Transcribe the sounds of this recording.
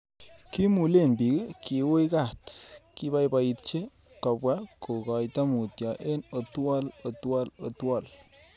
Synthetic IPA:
ki˦mu˨le˦˨nbi˨ɡi˦ki˨o˦jɡa˦˨t̪ki˦ba˦jba˧i˨t̪̚t͡ʃe˦ | ka˨bwa˦ko˨ɡa˨jt̪a˦mu˨t̪ja˨ʔe˦no˨t̪wa˦lo˨twa˦lo˨twa˨l

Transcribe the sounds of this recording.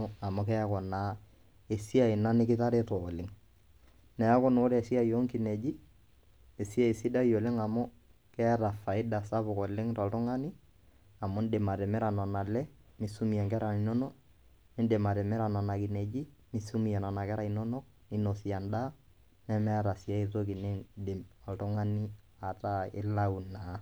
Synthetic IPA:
a˨mʊ˦kɛ˦a˦kɔ˨na˨˦ | e˨si˦a˨ɪ˨na˦nɪ˦kɪ˦ta˦ɾɛ˦tɔ˨lɪ˦ŋ | nɛ˨a˦kɔ˦no˦ɾɛ˨si˦a˦˨jo˦ŋki˨ne˨d͡ʒi˦ | e˨si˦a˦˨e˨si˦da˦ijo˨lɪ˦ŋa˨mʊ˦ | kɛ˦ɾa˨fa˨ɪ˦da˨sa˦bʊ˨kɔ˨lɪ˦ŋtɔ˨ltʊ˦ŋa˦nɪ˦ | a˨mo˦n˦de˨ma˨ɾɛ˨mɛ˦ɾa˨nɔ˨na˨lɛ˦ | mi˦su˦mi˨ja˨ŋkɛ˦ɾa˨ni˨no˦no˦k̚ | ni˦de˨ma˨ɾɛ˨mɛ˦ɾa˨nɔ˨na˨ki˨ne˨d͡ʒi˦mi˦su˦mi˨jɛ˨na˨na˨kɛ˦ɾa˦˨i˨no˦no˦k̚ | ni˦no˨si˨a˨nda˦ | nɛ˦mɛ˦ɾa˨si˨a˦i˦to˦ki˨ne˦dɪ˨mɔ˨ltɔ˦ŋa˦ni˦ | a˨ta˦ɪ̰˦la˦u˨na˨˦

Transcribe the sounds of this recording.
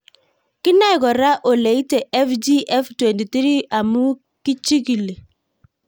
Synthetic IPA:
kɪ˦na˦ɪ˨kɔ˨ɾa˦ʔo˨le˨i˦te˨ʔɛ˦fd͡ʒi˦ʔɛ˦ftwe˨nti˨t̪ɾi˦a˨mu˦ | ki˦t͡ʃi˦ki˨le˨

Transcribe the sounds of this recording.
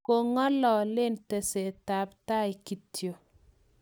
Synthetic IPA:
ko˨ŋɔ˦lɔ˨lɪ˦nte˨se˨ta˨pta˦ɪ˨ki˨tʰjo˨

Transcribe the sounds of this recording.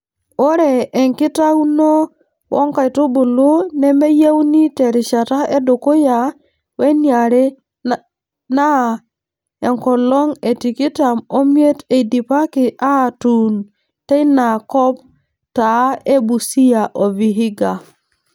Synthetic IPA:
o˦ɾe˨ʔːŋki˦ta˦wnɔ˦ | wʔo̰˦ŋka˨jtu˦bu˨lo˦ne˦me˦je˦wni˦te˨ɾi˨ʃa˨ta˦e˦do˨ko˦ja˨ | we˦nia˨ɾe˦ | na˦ | e˨ŋko˨lo˦ŋe˨ti˨ki˦ta˨mo˦m˦e˦te˨di˨pa˦ki˨ʔa˦˨tu˨n | te˦ina˨kɔ˦p | ta˨˦e˦bu˨si˦ja˨ʔo˨vi˨ɦi˦ɡa˨

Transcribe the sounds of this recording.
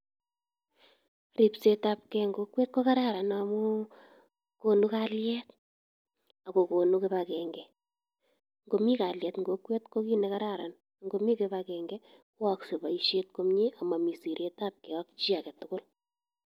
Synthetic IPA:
ri˨pse˦tap̚kɛŋɡo˦kweː˦t̚ko˦ka˦ɾa˦ɾa˨namu˦ | konu˦kaljɛt̚ | a˨ko˨ko˨nu˦ke˦βakɛŋɡɛ | ŋɡo˨mi˦ka˨ljɛː˨tŋɡokwe˦tko˦ki˦nɛka˦ɾaɾa̰˨n | ŋɡo˨mi˦ke˦βakɛːŋɡɛ | ko˦aksu˨ba˨iʃe˦t̚ko˦mɲi˦a˨ma˨mi˨si˨ɾe˦tap̚kɛ˨wa˦kt͡ʃi˦a˨kɛ˨tʊkʊ˦l

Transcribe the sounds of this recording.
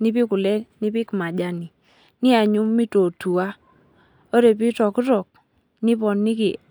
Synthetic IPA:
ni˦pi˦kʊ˨lɛ˦ni˦pi˦kma˨d͡ʒa˦ni˨ | nɪ˦a˨ɲu˦mːi˦to˨tu˨a˦ | o˦ɾe˨p̬i˦tɔ˨kɾɔ˨k̚ | nɪ˦bɔ˨nːɪ˦kḭ˨

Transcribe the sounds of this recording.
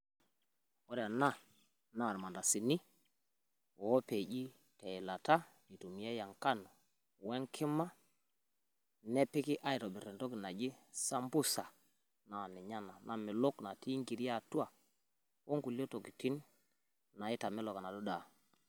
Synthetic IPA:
o˦ɾa˨na˦ | na˨ɾma˨nda˨si˨ni˦ | wɔ˨˦pe˨ɟi˦ | te˨la˨ta˦ | i˨tu˨mi˨e˦ja˨ŋka˦no˨ | wɛ˦ŋkʰɪ˦ma˦ | nɛ˦pi˦ki˦ʔa˦i˨tɔ˨bi˨ɾɛ˨nto˦ki˨na˨d͡ʒi˦sa˦mbu˦sa˨ | na˨ni˨ɲa˦na˨na˨mi˨lo˦kna˨ti˦ŋɡi˨ɾa˦˨tu˦a˨ | wo˦ŋɡu˨lo˦to˨ki˨ti˦n | na˨i˦ta˨mɛ˦lɔ˨ka˨na˨do˦da˨

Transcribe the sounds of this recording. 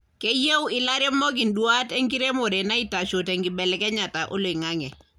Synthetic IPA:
ke˦je˦wɪ˦la˦ɾjɔ˦mɔ˦ɡɪ˨ndwa˦tɛ˦ŋɡi˦ɾe˦mo˨dɛ˨na˦i˦ta˨ʃo˨tɛ˨ŋɡɪ˨bɛ˨lɛ˦kɛ˦ɲa˨ta˨ʔo˦lo˨ɪ˨ŋaŋɛ˨

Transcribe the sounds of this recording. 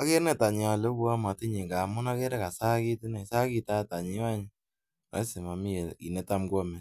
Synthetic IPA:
a˨˦ke˦nɛ˦ta˨ɲɪ˨a˨le˦bu˦a˦ma˨ti˦ɲe˨ka˨mʊ˦na˦ke˦ɾɛ˦ka˨sa˦ki˦tɪ˦na˨sa˦ki˧ta˦ta˨ɲi˦wa˦ɲ˦ | a̰˨˦sɪ˨ma˨mi˦e˨kḭ˨nɛ˦ta˦mɡɔ˦mɛ˨

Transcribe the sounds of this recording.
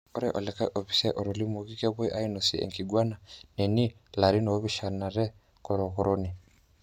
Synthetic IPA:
o˦ɾɛ˦ʔo˨lɛ˨ka˦ʔo˨βi˨sɛ˦ʔo˨ɾo˨li˦mu˨ɣi˦ke˦βwe˦ʔa˦i˦no˨si˨ḛ˨ŋki˨ɡwa˦na˨ne˨ni˦la˨ɾi˦no˦βiʃa˨na˨ɾɛ˦ | ko˨ɾo˨ko˨ɾʔo˦ni˨

